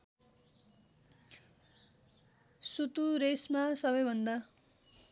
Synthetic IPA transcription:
sut̪uɾesmasʌbʌjbʱʌnd̪a

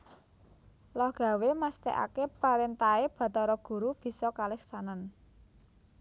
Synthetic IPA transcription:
lɔhɡ̥a̤wemast̪ḛʔa̰kepaɾent̪aeb̥a̤t̪ɔɾɔɡ̥ṳɾub̥i̤sɔkalɛksanan

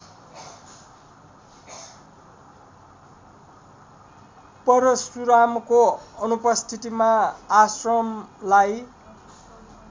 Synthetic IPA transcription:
pʌɾʌsuɾamkoʌnupʌst̪ʰit̪imaːsrʌmlaj

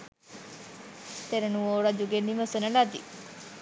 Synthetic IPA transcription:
t̪eɾenuoːɾad͡ʒuɡenːiməsonəlad̪i

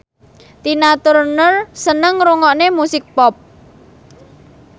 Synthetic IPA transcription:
t̪inat̪ʊrnərsənəŋɾuŋɔʔnemusɪk̚pɔp̚

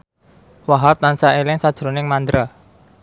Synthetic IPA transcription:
waɦap̚t̪ansaelɪŋsad̥ʒ̥ɾonɪŋmand̪ɾa

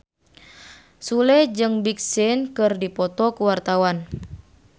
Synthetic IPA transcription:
sulɛd͡ʒɨŋbik̚sɪnkɨrdipɔt̪ɔkuwart̪awan

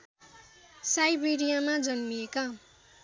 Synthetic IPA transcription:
sajbeɾijamad͡zʌnmijeka

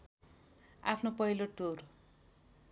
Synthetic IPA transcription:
a̰pʰnopʌɦiloʈur

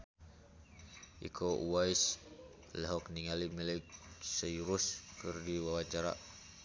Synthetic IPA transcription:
ʔḭkʰouwais | lɛɦɔk̚niŋalimilɛksəjɾuskɨrdiwawat͡ʃaɾa̰

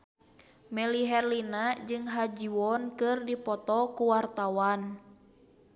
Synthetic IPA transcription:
mɛliɦɛrlinad͡ʒɨŋɦad͡ʒiwɔnkɨrdipɔt̪ɔkuwart̪awan

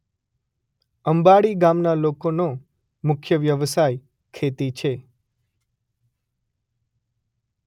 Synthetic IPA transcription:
əmbaɽiɡamnalokono | mʊkʰjəʋjəʋsaj | kʰet̪it͡ʃʰe

